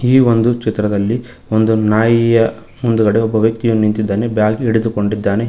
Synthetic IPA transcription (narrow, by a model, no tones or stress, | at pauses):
iːond̪ut͡ʃit̪ɾɐd̪ɐlːi | ond̪unaːjijɐ | mund̪uɡɐɽeɔbːɐʋjɐk̚t̪ijunːunint̪id̪ːaːnebjaːɡiɽed̪uko̞ɳɖid̪ːaːne̞